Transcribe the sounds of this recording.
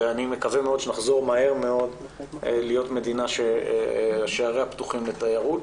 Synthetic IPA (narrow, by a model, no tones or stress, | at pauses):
eanimekavemeo̞d̪ʃenaχzo̞ʁmahe̞ʁme̞o̞d | lijo̞tme̞dinaʃe | ʃeaʁeaptuχimlet̪ajaʁut